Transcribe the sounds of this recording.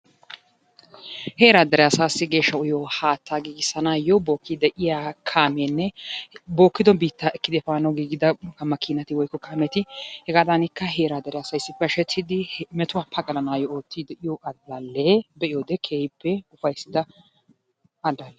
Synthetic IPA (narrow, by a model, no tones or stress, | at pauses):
he̞ːɾaːd̪ɐɾɪjaːsaːsːɪɡe̞ːʃːɐʊjohaːt̪ːaːɡiːɡɪsɐnaːjɔbo̞ːkːid̪ɛʔɪjakʰaːmenːɛbo̞ːkːɪd̪ɔbiːt̪ːaːɛkːɪd̪ɛfaːnɐɡiːɡɪd̪ɐkɐmɐkːinɐt̪ɪwɔjkːɔkaːmɛt̪ɪhɛɡaːd̪ɐnɪkːɐɦe̞ːɾaːd̪ɐɾɪjaːsɐjsːɪpːɛɐʃɛt̪ʰːɪd̪ɪmɛt̪ʊwaːpʰːɐkʼɐlɐnaːjɔoːt̪ʰːiːd̪ɛʔɪjoʔɐd̪ːalːebɛʔɪjoːd̪ɛkʰeːhɪpːɛʊfɐjsːɪd̪ɐ | ʔɐd̪alːɛ